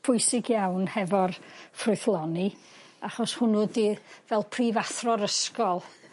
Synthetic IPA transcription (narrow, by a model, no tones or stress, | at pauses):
pʰʊjsɪɡjawnhɛvɔrfrʊɨθlˠɔni | aχɔshʊnuədivɛlˠpʰriːvaθrɔɾəskɔlˠ